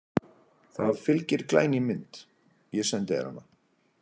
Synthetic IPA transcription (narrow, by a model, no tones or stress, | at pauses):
θaðfɪlcɪɾ̥kla̰ːjnɪmɪnt̪ | jɛsɛnt̪ɪɛ̰ɾha̰nːa